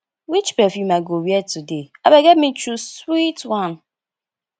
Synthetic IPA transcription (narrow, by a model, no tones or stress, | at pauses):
wit͡ʃpɛfjumaɡowjɛtudeabeɡetmit͡ʃuswitwãn